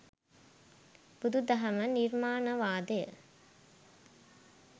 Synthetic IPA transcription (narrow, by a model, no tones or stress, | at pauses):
b̥ud̪ud̪ɐɦɐməniɾmaːnəʋaːd̪əjə̰